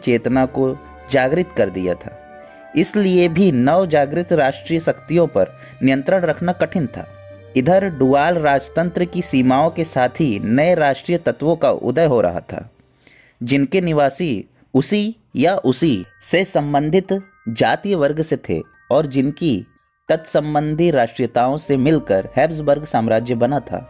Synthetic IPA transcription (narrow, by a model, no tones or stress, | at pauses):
t͡ʃeːt̪nako | d͡ʒaːɡɾɪt̪kɐɾd̪ḭja̰t̪ʰa̰ː | ɪsliebʱinɐʋd͡ʒaːɡɾɪt̪ɾaːʃʈɾiːjəsɐkt̪ijõpɐɾ | nɪjə̃nt̪ɾəɽ̃ɾɐkʰnakɐʈʰɪnt̪ʰa̰ː | ɪd̪ʱəɾɖuːaːlɾaːd͡ʒt̪ə̃nt̪ɾəkisiːmaːõkesaːt̪ʰinɐeɾaːʃʈɾiːjət̪ɐt̪ʋõkaʔʊ̰d̪əjɦoɾʔɐ̰ɦa̰t̪ʰa̰ː | d͡ʒɪnkenɪʋaːsi | ʊsi | jaʔʊsisesɐ̃mbə̃nd̪ʱɪt̪ | d͡ʒaːt̪ijəʋɐɾɡʱset̪ʰḛ | ɔːɾd͡ʒɪnki | t̪ɐt̪sɐ̃mbə̃nd̪ʱiɾaːʃʈɾijət̪aːõsemɪlkəɾhɛːbs̬bəɾɡsaːmɾaːd͡ʒjəbɐnat̪ʰa̰ː